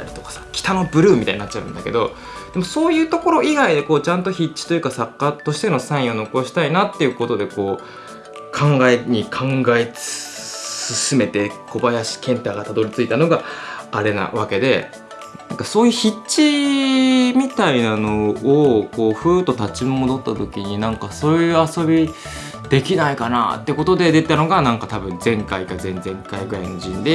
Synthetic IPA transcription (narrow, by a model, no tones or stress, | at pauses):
t̪a̰ɾʲit̪okḁsḁkʲi̥t̪ano̞bɯ̟ɾɯ̟ːmit̪a̰iɲinatt͡ɕːa̰ɯ̟̃nd̪a̰ke̞d̪o̞ | d̪̥e̞mo̞so̞ːjɯ̟ːt̪o̞ko̞ɾo̞ʔiɡaid̪e̞ko̞ːt͡ɕãnt̪o̞çit͡ɕt͡ɕːi̥t̪o̞jɯ̟kasakːat̪o̞ɕi̥t̪e̞no̞sãɰ̃ĩo̞no̞ko̞ɕi̥t̪ainat̪ːe̞jɯ̟ko̞t̪o̞d̪e̞ko̞ː | kʰãŋɡae̞ɲ̟ikʰãŋɡae̞ | sɨsɨme̞t̪e̞ko̞bajaɕi̥kẽ̞nt̪aːɡat̪ad̪o̞ɾʲit͡sɨit̪ano̞ɡaːɾe̞na̰βake̞d̪e̞ | nnãŋkaso̞ːjɯ̟ːçit͡ɕi | mʲit̪ainano̞ːko̞ːɸɯ̟ːt̪o̞t̪at͡ɕimomo̞d̪o̞t̪ːat̪o̞kʲiɲ̟inãŋkaso̞ːjɯ̟ːaso̞bʲi | d̪̥e̞kʲinaikana̰t̪ːe̞ko̞t̪o̞d̪e̞d̪et̪ano̞ɡanãŋkat̪abɯ̟̃nd͡zẽ̞ŋkaikazẽ̞nd͡zẽ̞ŋkaiɡɯɾainoʑĩnd̪e̞